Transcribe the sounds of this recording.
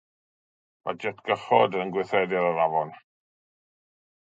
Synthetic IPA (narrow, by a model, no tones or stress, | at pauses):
ma̰d͡ʒɛtʰɡ̥əχɔdənɡwɪθɛdɪɾaɾavɔn